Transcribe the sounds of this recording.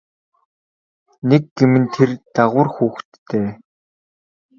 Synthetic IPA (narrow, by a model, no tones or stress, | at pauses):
nek̚ɡemɘ̆nt̪ʰert̪aʁʊːrxuːxt̪ʰːeː